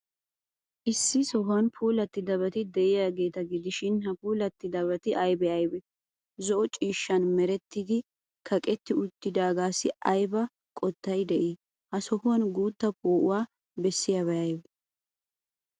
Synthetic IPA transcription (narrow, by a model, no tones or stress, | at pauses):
ʔɪsːɪsɔɦʊɐnpʰuːlɐt̪ːɪd̪ɐβɐt̪ɪd̪ɛʔɪjaɡe̞ːt̪ɐɡɪd̪ɪʃɪnhɐpuːlɐt̪ːɪd̪ɐβɐt̪ɪʔɐjbɛɐjbɛ | zɔʔɔt͡ʃʼiːʃːɐnmɛɾɛt̪ːid̪ɪ | kʰɐkʼɛt̪ːɪʊt̪ːɪd̪aːɡaːsːɪɐjbɐ | kʼɔt̪ːɐjd̪ɛʔi | hɐsɔhʊwɐnɡuːt̪ːɐpoːʔʊwaː | bɛsːɪjaβɐjɐjbɛ